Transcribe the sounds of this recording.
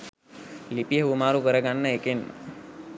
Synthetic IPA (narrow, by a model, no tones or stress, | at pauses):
lipijəumaːɾukəɾəɡanːəekenmə̰